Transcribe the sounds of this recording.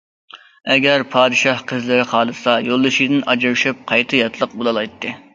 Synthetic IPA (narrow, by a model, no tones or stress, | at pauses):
ɛɡʲæɾpʰɑːd̪ɨʃɑhqʰəzlɪɾɪχɑːlˠɨsɑjolˠːɨʃid̪ɪnʔɑd͡ʒɑɾʃɨp̚qʰɑjt̪ʰɨjɑt̪ʰlˠəqbolˠɑlˠɑjt̪ʰːɨ